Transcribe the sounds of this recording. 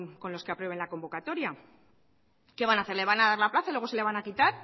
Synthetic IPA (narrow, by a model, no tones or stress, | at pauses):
ko̞nlo̞skeapɾwe̞e̞nlako̞mbo̞kat̪o̞ɾja | ke̞βanaθe̞ɾleβanaðaɾlaplaθailwe̞o̞se̞le̞βanakit̪aɾ